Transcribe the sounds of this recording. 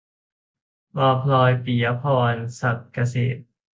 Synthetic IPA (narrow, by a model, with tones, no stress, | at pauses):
bɔː˧˩pʰlɔː˧jpi˨˩˦ɐpʰɔː˧nsa˨˩t̪̚ka˧sḛː˨˩t̪̚